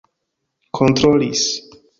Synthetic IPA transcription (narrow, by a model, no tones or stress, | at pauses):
kʰont̪ɾolis